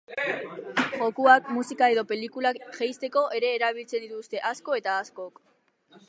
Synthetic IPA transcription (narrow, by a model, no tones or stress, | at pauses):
ʝo̞kuak̚musikae̞ðo̞pe̞likulakʝejst̪e̞ko̞ʔe̞ɾe̞ːɾaβ̞ilt͡se̞nd̪it̪ust̪e̞ʔasko̞e̞t̪aːskok